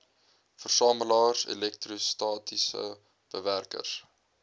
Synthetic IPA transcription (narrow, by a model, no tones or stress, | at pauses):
fərsɑːməlɑːrsḛlɛk̚trustɑːtisə̰ | b̥əværkə̰rs